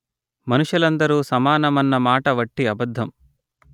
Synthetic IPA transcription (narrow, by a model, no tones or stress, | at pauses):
mɐnuʂjulɐnd̪ɐɾuːsɐmaːnɐmɐnːɐmaːʈɐʋɐʈːiɐbɐd̪ʱːɐm